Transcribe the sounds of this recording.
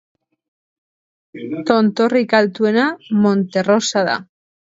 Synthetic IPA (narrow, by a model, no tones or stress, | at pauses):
t̪ont̪orikalt̪wenamõnt̪erosaða̰